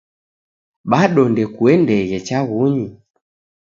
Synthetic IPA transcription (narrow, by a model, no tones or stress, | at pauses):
ɓaɗɔndɛkuɛndɛɣɛt͡ʃaɣuɲi